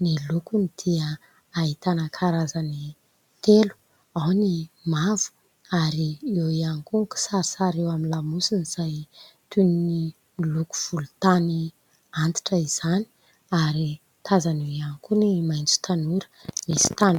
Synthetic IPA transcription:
nilukunid̪̥iəː | it̪anəkʰaɾazani | t̪elu̥ | awnimavu̥ | aɾiewianikuŋku̥saɾisaɾewamilamusiniz̥ajt̪unini | miluku̥v̥ulut̪ani | ant̪i̥ʈ͡ʂəiz̥ani̥ | aɾi | t̪ʰazanewianikunimajnt͡su̥t̪anuɾə̥misi̥t̪an

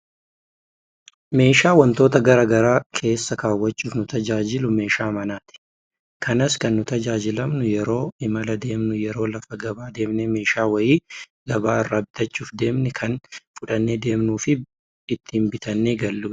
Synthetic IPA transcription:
me̞ːʃaːwɐnt̪o̞ːt̪ɐɡɐɾɐːɡɐɾaːkʰe̞ːsːɐkaːwːɐt͡ʃːuːfnʊt̪ɐd͡ʒaːd͡ʒɪlʊme̞ːʃaːmɐnaːt̪ɪ̥ | kʰɐnɐskɐnːʊt̪ɐd͡ʒaːd͡ʒɪlɐmnʊjɛɾo̞ːɪmɐlɐd̪e̞ːmnʊjɛɾo̞ːlɐfɐɡɐbaːd̪e̞ːmnɛme̞ːʃaːwɐjiː | ɡ̥ɐbaːɪrːaːbɪt̪ɐt͡ʃʼːuːfd̪e̞ːmnɛkʰɐnfʊᶑɐnːeːd̪e̞ːmnuːfɪ | ɪt̪ːɪmbɪt̪ʰɐnːeːɡɐlːuː

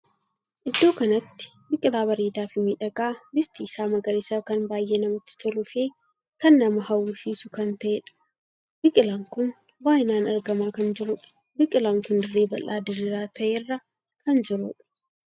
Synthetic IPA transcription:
ʔɪd̪ːo̞ːkɐnɐt̪ːɪ̥ | bɪkʼɪlaːbɐɾiːd̪aːfɪmiᶑɐɡaːbɪft̪iːsaːmɐɡɐɾɪsɐkɐnbaːjʔeːnɐmɐt̪ːɪ̥t̪ʰɔlʊfeː | kɐnːɐmɐhɐwːʊsiːsʊkɐnt̪ɐʔeːᶑɐ̥ | bɪkʼɪlaːŋkʊn | baːjɪnaːnɐɾɡɐmaːkɐnd͡ʒɪɾʊᶑɐ̥ | bɪkʼɪlaːŋkʊnd̪ɪrːeːbɐlʔa̰ːd̪ɪɾɪɾaːt̪ʰɐʔeːrːɐ | kɐnd͡ʒɪɾʊᶑɐ̥

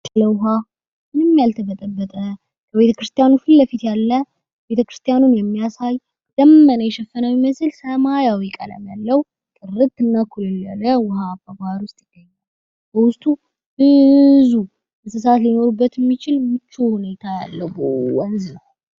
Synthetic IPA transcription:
t̪ʰələwɦa | mɨnɨmːjalt̪ʰəbət̪ʼəbːət̪ʼə | kʰəβe̞t̪ʰəkɾɨst̪ʰʼijanufɨlːəfit̪jalːə | be̞t̪ʰəkɾɨ̥st̪ʰʼijanunjɛmːijasaj | d̪̥əmːənəjɛʃɛfːənawiməsɨlsəmajawikʼə̰lə̰malːəw | kʼɨrɨt̪ɨnːakʰulɨlaləwʊɦababaɾwʊst̪ʼjɪɡ̥ːəɲːal | bəwʊst̪ʼu | b̥ɨzu | bɨsɨs̬at̪lino̞ɾubːət̪jɛmːit͡ʃɪlmɨt͡ʃːohune̞t̪ʰaja̰lːəwbowɔnznəw

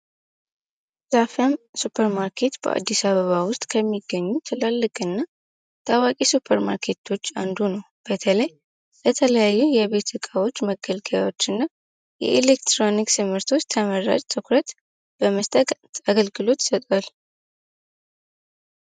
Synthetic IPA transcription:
z̥afəmsupʰəɾmaɾkʰe̞t̪b̥ə̰ʔa̰d̪ːisaβəβawʊst̪ʼkʰəmːiɡːəɲːut̪ʰɨlalːɨkʼɨnːa | t̪ʰʼawakʼisupʰəɾma̰ɾkʰe̞t̪ʰo̞t͡ʃːand̪unəw | b̥ət̪ʰələj | bət̪ʰələjajːujɛβe̞t̪ʰɨkʼawo̞t͡ʃːməɡəlɡəja̰wo̞t͡ʃːɨnːa | jɛ̰ʔelekt̪ɾo̞nikt̪ʰɨmɨɾt̪ʰo̞t͡ʃːt̪ʰəməɾa̰d͡ʒʼt̪ʰʼɨkʰɾət̪ | b̥əməst̪ʼət̪aɡəlɡɨlo̞t̪sət̪ʼwal

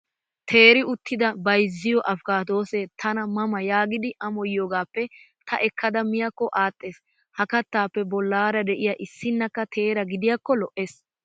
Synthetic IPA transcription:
t̪ʰe̞ːɾɪʊt̪ːɪd̪ɐbɐjzːɪjɔʔɐfkaːt̪o̞ːsɛt̪ʰɐnɐmɐmɐjaːɡɪd̪ɪʔɐmɔjːoːɡaːpːɛ | t̪ʰɐʔɛkʰːɐd̪ɐmɪjɐkːɔʔaːt̪ʼːeːs | hɐkɐt̪ːaːpːɛbɔlːaːɾɐd̪ɛʔɪjaʔɪsːɪnːɐkːɐt̪ʰe̞ːɾɐɡɪd̪ɪjakːɔlɔʔeːs

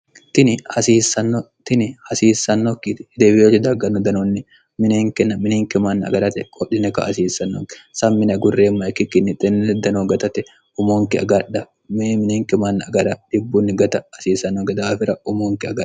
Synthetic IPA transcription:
t̪ɪnɪhɐsiːsɐnːo | t̪ɪnɪhɐsiːsːɐnːokːɪt̪ɪ̥d̪eːbɪjot͡ʃːɪd̪ɐɡɐnːɔd̪ɐnonːɪ | mɪneːŋkɛnːɐmɪneːŋkɪmanːɐɐ̰ɡɐɾɐt̪ɛkʼɔɗɪnɛkɐ̰ʔɐsiːsːɐnːokɪ̥sɐmːɪnɐɡʊrːeːmːɐɛkːɪkːɪnːɪt̪ʼɛnɛd̪ɐnoɡɐt̪ɐt̪ɛ | ʊmoːŋkɪɐ̰ɡɐᶑːɐ | mmɪneːŋkɪmaːnːɐɐɡɐɾɐd̪̥ɪbːunːɪɡɐt̪ɐːsiːsɐnːoɡɐd̪aːfɪɾɐʊmoːŋkɪɐɡɐ̥

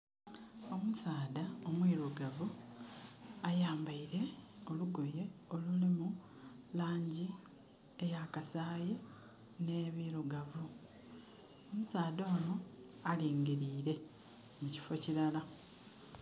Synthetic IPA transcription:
o̞musaːdaomwiɾuɡavu | ajaːmbaiɾe̞o̞luɡo̞je̞o̞lulimu | laːɲɟi | ejakasaːje | ne̞βiɾuɡavu | o̞musaːdoːno̞ | aliːŋɡiɾiːɾe̞ | muci̥fo̞ciɾala

